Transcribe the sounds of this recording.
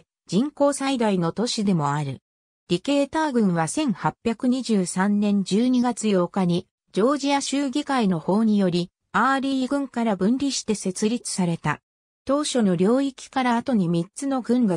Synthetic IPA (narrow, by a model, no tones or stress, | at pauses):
d͡ʑĩŋko̞ːsaid̪aino̞t̪o̞ɕid̪e̞mo̞aɾɯ̟̰ | ɾʲike̞ːt̪aːɡɯ̟̃ɰ̃βasẽ̞ŋhapʲːjakɯ̟ɲ̟iʑɨːsãnːẽ̞ɲ̟d͡ʑɨːɲ̟iɡat͡sɨjo̞ːkaɲ̟i | d͡ʑo̞ːʑiaɕɨːɡʲikaino̞ho̞ːɲ̟ijo̞ɾʲi | aːɾʲiːɡɯ̟̃ŋkaɾabɯ̟̃nɾʲiɕi̥t̪e̞se̞t͡sɨɾʲit͡sɨ̥saɾe̞t̪a̰ | t̪o̞ːɕo̞no̞ɾʲo̞ːikʲi̥kaɾaːt̪o̞ɲ̟imʲit͡sɨno̞ɡɯ̟̃ŋɡa